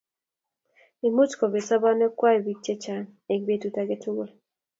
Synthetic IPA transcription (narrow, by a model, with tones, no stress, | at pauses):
i˨mu˦t͡ʃkɔ˨be˨sa˦ba˦nɛ˦kwa˦i˨bi˦t͡ʃe˦t͡ʃa˨ne˨k̚be˦tu˨ta˨ɡe˦tu˦ɡo˨l